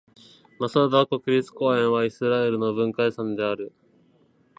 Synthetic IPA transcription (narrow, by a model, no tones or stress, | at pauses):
masad̪ako̞kɯ̟ɾʲit͡sɨ̥ko̞ːẽ̞ɰ̃βaisɨɾae̞ɾɯ̟no̞bɯ̟̃ŋkaisãnd̪e̞aɾɯ̟